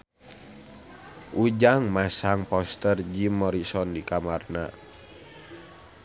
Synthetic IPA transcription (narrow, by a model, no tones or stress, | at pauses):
ʔud͡ʒaŋmasaŋpɔst̪ərd͡ʒimːɔɾisɔndikamarna̰